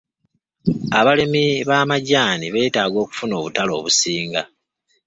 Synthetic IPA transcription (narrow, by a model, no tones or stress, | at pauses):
aβalemiβaːmaɟaːniβe̞ːtaːɡo̞ːku̥funo̞ːβutalo̞̰ːβusiːŋɡa